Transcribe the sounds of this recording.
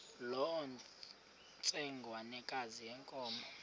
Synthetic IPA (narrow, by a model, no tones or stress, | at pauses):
lɔɔ | t͡sʼɛŋɡʱwanɛkʼazijɛŋkʼɔːmbɔ